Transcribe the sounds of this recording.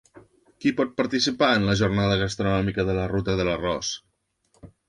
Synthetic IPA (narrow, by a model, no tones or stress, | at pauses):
kipɔt̪̚pəɾt̪isipaənləʒurnaðəɣəst̪ɾunɔmikəðələrut̪əðələrɔs